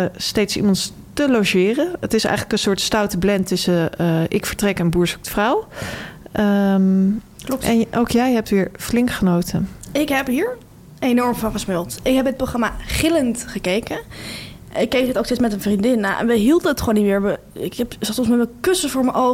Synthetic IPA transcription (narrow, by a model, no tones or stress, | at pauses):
stejtsḭmɑnt | təlowʒɪːrənətɪsɛ̰jχələkə̃nsʊːɹtstawtəblɛntɵsəʔɪkfəɹtrɛkɛnbuːɹsɔk̚tə̥fraw | ə | ɛnʔowkjɛjɦɛp̚tʋɪːɹflɪŋkχənowtʰənɪkɦɛpɦiːɹ | ejnɔɹmvɑ̃χəsmɪlˠtɪkɦɛbət̚proχrɑmaχɪləntχəkejkə | ɪkːejkətowkstejsmɛtənvrindɪnaːʔɛ̰nʋəɦilˠdənətχʋoːnːimɪːɹʋəɪkɛpsɑtɔnsmɛtmɛkɵsəvʊːɹmənʔo